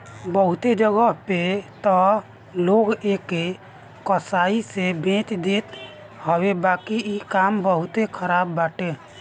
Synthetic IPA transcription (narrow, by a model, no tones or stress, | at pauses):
bəɦut̪ed͡ʒəɡəɦpet̪ɔ | loɡeke | kəsaisebʱẽt̪d̪et̪ | hɔwebakiikambəɦut̪ekʰəɾabːaʈe